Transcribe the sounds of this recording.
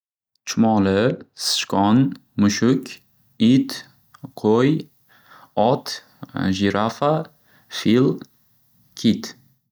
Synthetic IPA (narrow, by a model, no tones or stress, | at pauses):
t͡ʃʰʊmɒlɪsɨ̥ʃkɒnmʊʃʊkʲ | it̪ | qʰoj | ɒt̪ | ʒiɾʔafa | fil | kʲʰit̪